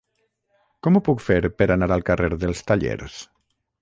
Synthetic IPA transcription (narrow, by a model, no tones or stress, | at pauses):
kɔmupukfeɾpəɾanaɾalˠkareɾðəlˠst̪aʎḛɾs